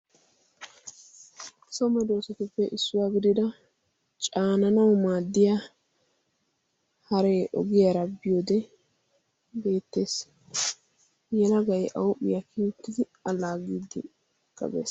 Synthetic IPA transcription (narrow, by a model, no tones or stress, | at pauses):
sɔmɛd̪o̞ːsɔt̪ɪpːɛʔɪsːʊwaːɡɪd̪ɪd̪ɐ | t͡ʃʼaːnɐnɐwmaːd̪ːɪja | hɐɾeːʔɔ̰ɡɪjɐɾɐbːɪjoːd̪ɛ | be̞ːt̪ːe̞ːs | jɛlɐɡɐjʔɐwʊpːɪ̰jɐkʰiʊt̪ːɪd̪ɪ | ɐlːaːɡiːd̪ːɪ | kːɐ̰bḛːs